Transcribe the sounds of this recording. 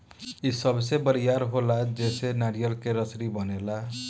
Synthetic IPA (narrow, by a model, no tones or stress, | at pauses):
isʌbsebʌɾijaɾɦolad͡zesenaɾijʌlkeɾʌsɾibʌnela